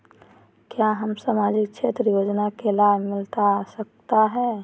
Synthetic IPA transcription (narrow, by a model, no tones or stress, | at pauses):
kjaɦəmsaːmad͡ʒɪk̚t͡ʃʰeːt̪ɾjoːd͡ʒnakelabʱmɪlt̪asək̚t̪aɦɛː